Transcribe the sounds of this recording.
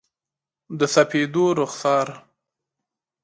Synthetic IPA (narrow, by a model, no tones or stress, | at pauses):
d̪əsapʰed̪oɾʊxsɑɾ